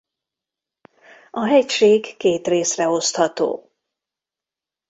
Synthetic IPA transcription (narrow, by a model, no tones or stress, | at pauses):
ɒɦɛcʃeːɡːeːt̪reːsrɛo̞st̪hɒt̪o̰ː